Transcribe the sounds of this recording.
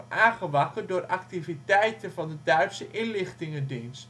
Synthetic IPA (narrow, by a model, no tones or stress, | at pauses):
ʔaːχəʋɑkədʊːrɑktivitɛjtənvɑndədœɥtsəʔɪnlɪχtɪŋədinst